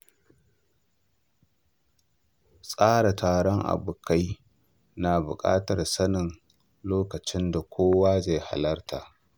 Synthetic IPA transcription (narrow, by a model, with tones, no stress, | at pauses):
sʼaː˦ɽa˨tʰaː˨ɽɔ˦ŋʔa̰˨bʊ˨kʰa˦j | na˨bʊ̰˨kʼa̰ː˦tɐ˨rsɐ˦nɪ˨n | loː˦kɐ˨t͡ʃɪ˦nda˨kʷʰoː˦waː˦ze˨jha̰˨lɐ˦rtʰaː˨ʔ